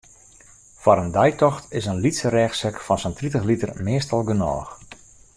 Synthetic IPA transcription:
faɾəndɛjtɔxtɪsənlitsərɛːxsɛkfɔnsəntritəxlitərmɪəstɑlˠɡənɔ̰ːx

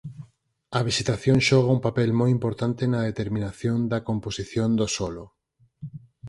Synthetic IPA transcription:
ɐβisit̪aθjõŋʃɔɣ̞aumpapɛlmojimpoɾt̪ant̪enɐðet̪eɾmĩnaθjond̪ɐkomposiθjond̪osɔlo

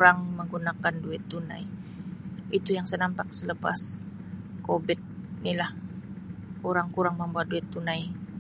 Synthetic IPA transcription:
ɾaŋməŋɡunakanduɪt̪ːuna̰j | it̪ujaŋsənampak̚sələpa̰s | kobɪt̪̚nilah | kuɾaŋkuɾaŋməmbuat̪̚duɪt̪ːunaj

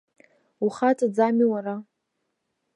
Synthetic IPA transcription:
uχatʼad͡zamiwara

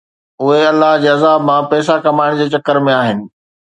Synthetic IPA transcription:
ʊɦeɐlːəɦd͡ʑeːɐzaːbmãpɛːs̬akɐmaːɪɽ̃d͡ʑeːt͡ɕɐkːəɾmẽaːɦɪnɪ̆

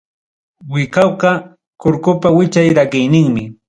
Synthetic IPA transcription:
wɪkawqɑ | kʊɾkʊpawɪt͡ʃajɾaɢɪjnɪŋmɪ

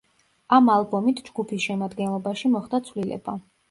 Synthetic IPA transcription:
amalˠbɔmit̪ʰd͡ʒɡupʰisʃɛmad̪ɡɛnlˠɔbaʃimɔχd̪at̪sʰvlilɛ̰ba

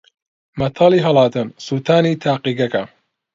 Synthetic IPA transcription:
mɐt̪ʰɑliːɦɐlˠɑːt̪ɨnsut̪ʰaːniːt̪ʰaːqiɡɐkɐ

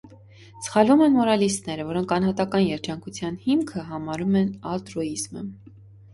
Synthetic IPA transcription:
sə̥χɑlumɛnmɔɾɑlist̪nɛɾəvɔɾɔŋkʰɑn̪ɦɑt̪ɑkɑnjɛɾd͡ʒɑŋkʰut͡sʰjɑnhimkʰəɦɑmɑɾumɛnɑlt̪ɾuizmə̰

